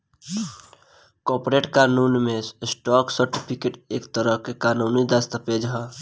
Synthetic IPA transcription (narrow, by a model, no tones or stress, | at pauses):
kɔpɾeʈkanunmesʈɔksəɾʈipʰikeʈekt̪əɾəɦkekanunid̪ast̪aped͡ʒɦɔ